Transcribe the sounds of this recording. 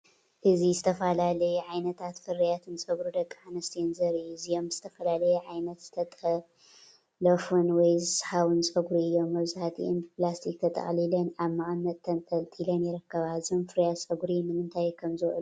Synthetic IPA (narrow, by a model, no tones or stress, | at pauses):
ʔɨzizɨt̪ʰɐfalalɐjɛʕajnɐt̪ʰat̪fɨɾijat̪ʰɨnsʼɐɡɾud̪ɐkʼːaʕanɐst̪ʰijɛnzɐɾɨjuɨzijo̞mz̥ɨt̪ʰɐfɐlalɐjɛʕajnɐt̪z̥ɨt̪ʰɐt̪ʼɐ | lɐfunwɔjzɨsħaβɨnsʼɐɡɾiɨjːo̞mːɐβzaħat̪ʰḭʔimplast̪ʰik̚t̪ʰɐt̪ʼɐ̰χʼlilɐnaβmaʕamːɐd̪̚t̪ʰːɐnt̪ʰʼɐlt̪ʰilɐnjɪɾɨkːɐβazonfɨɾijasʼɐɡɾimɨnɨnt̪ʰajkʰɐmzɨɨlu